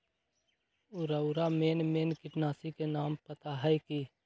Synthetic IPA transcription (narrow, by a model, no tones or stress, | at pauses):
ʊɾaʊɾameːnmeːnkɪʈnaːsikenaːmpət̪aɦaiki